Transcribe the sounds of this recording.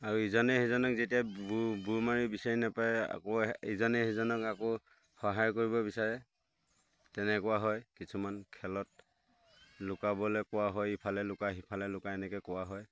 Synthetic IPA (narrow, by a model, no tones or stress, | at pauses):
aɹuizɔnɛhizɔnɔkzetijabumaɹibisaɹinapaɛa̰kɔizɔnɛɦizɔnɔkakɔ | xɔɦajkoɹibɔbisaɹɛ | tɛnɛkʊwaɦɔjkisʰumankʰɛlɔt̚ | lʊkabɔlɛkʊwaɦɔjipʰalɛlʊkaɦipʰalɛlʊkaɛnɛkɛkɔwaɦɔj